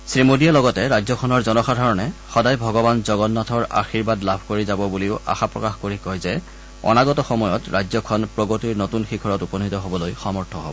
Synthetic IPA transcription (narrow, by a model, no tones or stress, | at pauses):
sɹimodijalɔɡɔtɛɹajd͡ʒzɔkʰɔnɔɹzɔnɔxadʱaɹɔnɛxɔdajbʱɔɡɔbanzɔɡɔnːatʰɔɹa̰xiɹbadlabʱkoɹizabɔbuliʊa̰xapɹɔkaxkoɹikɔjzɛ | ɔ̰naɡɔtɔxɔmɔjɔtɹajd͡ʒzɔkʰɔnpɹɔɡotiɹnotunxikʰɔɹɔtupɔnitɔɦobɔlojxɔmɔɹtʰɔɦo̰bɔ